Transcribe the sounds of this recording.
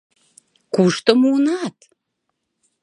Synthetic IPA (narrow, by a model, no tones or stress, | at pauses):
kuʃt̪əmuonɑt̪